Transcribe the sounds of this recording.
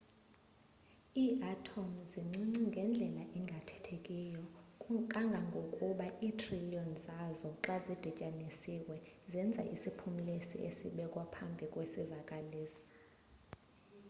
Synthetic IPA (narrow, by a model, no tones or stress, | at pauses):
iːʔatʰomziŋ͡ǀiŋ͡ǀiŋɡʱɛnd͡ɮʱɛlaʔɛŋɡʱatʰɛ̥tʰekʼijɔkʼaŋɡʱaŋɡʱokʼuɓaʔiːtʰriliɔnzazɔǁazid̥ʱit͡ʃʼanisiwɛzɛnd͡zʱaʔisipʰumilesḭʔḛsḭɓɛkʼwapʰambʱikʼwesivakʼaleːsi̥